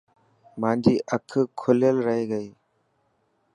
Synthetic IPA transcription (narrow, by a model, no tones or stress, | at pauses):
mãːɳd͡ʒʱiːʔəkʰkʰʊljəlɾəɦeːɡəiː